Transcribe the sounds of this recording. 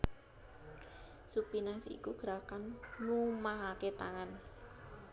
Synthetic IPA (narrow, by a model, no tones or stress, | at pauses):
supinasḭkuɡ̥əɾakanmumaɦaket̪aŋan